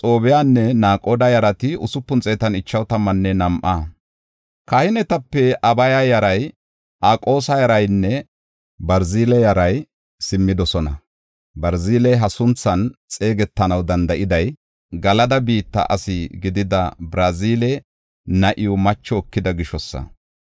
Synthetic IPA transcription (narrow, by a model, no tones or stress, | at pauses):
t͡sʼo̞ːbɛjanːɛnaːkʼoːd̪ɐjɐɾɐt̪ɪʊsʊpːʊnt͡sʼɛt̪ɐnɪt͡ʃːɐwt̪ɐmːɐnːɛnɐmʔaː | kɐhɪnɛt̪ɐpːɛʔɐbɐjajɐɾɐj | ʔaːkʼo̞ːsɐjɐɾɐjnːɛ | bɐɾziːlɛjɐɾɐj | sɪmːɪd̪ɔsɔnɐ | bɐɾziːlɛɦɐsʊnt͡sːɐnt͡sʼe̞ːɡɛt̪ːɐnɐwd̪ɐnd̪ɐʔɪd̪ɐj | ɡɐlɐd̪ɐbiːt̪ːɐ̰ʔɐ̰sɪɡɪd̪ɪd̪ɐbɾɐziːlɛ | nɐʔɪjʊmɐt͡ʃːɔːkːɪd̪ɐɡɪʃɔsːɐ̰